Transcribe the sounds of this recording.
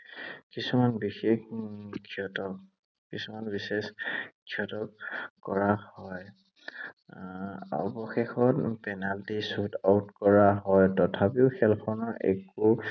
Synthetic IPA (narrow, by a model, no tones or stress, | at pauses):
kisumanbixexɡʰʱiɔtɔk̚ | kisumanbiseskʰiɔtɔk̚kɔɹahɔj | ɔ̰bɔxexɔtpɛnaltisutautkɔɹaɦɔjtɔtʰapiʊxɛlpʰɔnɔɹɛ̰ku